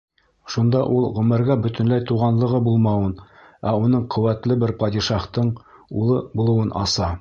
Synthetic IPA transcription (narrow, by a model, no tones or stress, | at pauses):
ʃund̪ɑʔulˠʁɵ̆mɘ̆ɾɡæbɵ̆t̪ɵ̆nlæjt̪uʁɑnlˠɤ̆ʁɤbulˠmɑwɤn | æunɤɴqʰɵ̆wæt̪lɘbɘɾpɑd̪ʲiʃɑχt̪ɤɴ | ulˠɤbulˠɤ̆wɤnʔɑ̰sɑ